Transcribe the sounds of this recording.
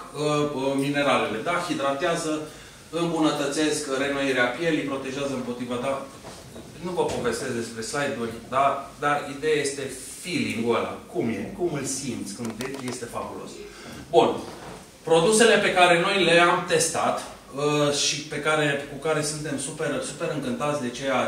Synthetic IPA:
əmine̞ɾale̞le̞d̪axid̪ɾat̪eazə | ɨmbunət̪ət̪se̞skɾe̞nojeɾeapje̞lipɾo̞t̪e̞ʒeazəɨmpo̞t̪ɾivat̪a | nuvəpo̞ve̞st̪e̞zd̪e̞spɾe̞slajd̪urʲd̪ad̪arid̪e̞jajest̪e̞ | filiŋɡuela̰kumje̞̰kumɨlsimt̪sʲkɨnd̪ekje̞st̪e̞fa̰bulo̞̰s | bun | pɾo̞d̪use̞le̞pe̞kaɾe̞no̞jle̞amt̪e̞st̪at̪ | ʃipe̞kaɾe̞kukaɾe̞sɨnt̪e̞msupe̞ɾsupe̞ɾɨŋkɨnt̪at̪sʲd̪et͡ʃe̞a

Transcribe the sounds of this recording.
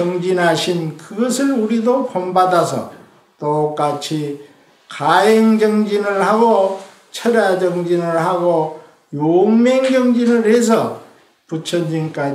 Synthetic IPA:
ʌŋd͡ʑinɦaɕʰinkɯɡʌs̬ʰɯɭuɾidopombadasʰʌ̰ | t͈ok͈at͡ɕʰi | kajeŋd͡ʑʌŋd͡ʑinɯɭhaɡo | t͡ɕʰʌɾjad͡ʑʌŋd͡ʑinɯɭhaɡo | joŋmeŋd͡ʑʌŋd͡ʑinɯɭhe̞s̬ʰʌ | put͡ɕʰʌnd͡ʑink͈a

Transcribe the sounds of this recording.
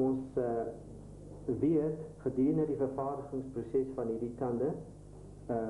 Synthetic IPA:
ɔns | viətχədiːrnərdifərfɑːrdəχəŋsprusɛsfɐnɦiːrdikɐndə

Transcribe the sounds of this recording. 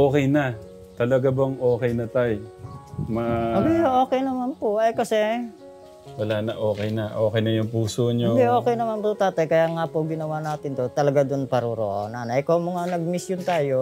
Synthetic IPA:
ʔoːkɛjnɐ | t̪ɐlɐɡabɐŋʔoːkɛjnɐt̪aj | mɐɡiʔo̞ːkɛjnɐmanpoʔɐjkɐsɛ | wɐlaːnɐʔoːkɛjnɐʔoːkɛjnɐjʊŋpuːsoɲod̪ɛo̞ːkɛjnɐmanpʊt̪aːt̪ɐjkɐjaːŋapoɡɪnɐwaːnaːt̪ɪnt̪ot̪ɐlɐɡad̪ʊnpɐɾuɾo̰ʔo̰nanɐʔɪkomɐŋanɐɡ̚mɪsjont̪aːjo̞

